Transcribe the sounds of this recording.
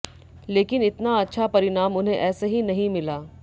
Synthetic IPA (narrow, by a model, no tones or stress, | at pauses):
leːkɪnɪt̪naɐtːʃʰapɐɾɪnaːmʊnɦẽʔɛːsaɦinɐɦĩmɪlaː